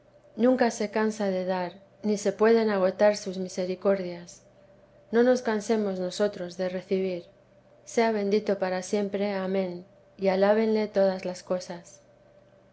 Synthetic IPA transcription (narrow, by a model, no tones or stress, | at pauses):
nũŋkase̞kansaðe̞ðaɾ | nise̞pwe̞ð̞e̞naɣ̞o̞t̪aɾsuzmise̞ɾiko̞ɾðjas | no̞no̞skanse̞mo̞zno̞so̞t̪ɾo̞zðe̞re̞θiβ̞iɾ | se̞aβ̞e̞nd̪it̪o̞paɾasje̞mpɾe̞amẽ̞n | ialaβ̞e̞nle̞t̪o̞ð̞azlasko̞sas